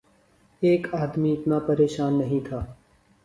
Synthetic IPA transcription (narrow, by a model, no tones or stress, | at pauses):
eːkaːd̪miɪt̪napɐɾeːʃaːnːɐɦĩt̪ʰaː